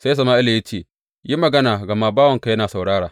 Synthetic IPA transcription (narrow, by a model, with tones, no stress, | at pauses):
sa˦jsɐ˨maː˦ʔɪ˦lja˦t͡ʃeː˦˨ | ji˦mɐ˨ɡɐ˦naː˨ɡɐ˨maː˦baː˦wɐ˨ŋka˨jɐ˦naː˨sa˨wɽaː˦ɽaː˨